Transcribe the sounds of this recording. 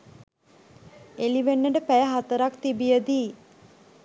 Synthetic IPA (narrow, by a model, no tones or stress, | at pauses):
eliʋenːəɖəpæjəɦat̪əɾakt̪ibijəd̪iː